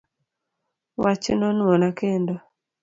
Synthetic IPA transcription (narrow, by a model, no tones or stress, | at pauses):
wat͡ʃinɔnuɔnakendɔ